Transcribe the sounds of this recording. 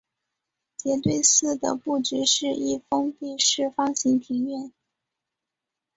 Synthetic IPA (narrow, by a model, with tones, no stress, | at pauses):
t͡ɕjɛ˧˥t̪we˥˧ɪsɹ̩˥˩d̪ə̰˩pu˥˩ʈ͡ʂy˧˥ʂɻ̩˥˧ʔi˥˩fɤ˥ŋpi˥˧ʂɻ̩˥˩fɑ˥ŋɕi˧˥ŋt̪ʰi˧˥ŋɥɛ˥˩n